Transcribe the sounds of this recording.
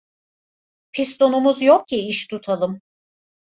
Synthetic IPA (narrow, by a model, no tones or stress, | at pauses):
pʰist̪o̞numuzjok̚cʰiiʃt̪ʰut̪ʰalˠɯm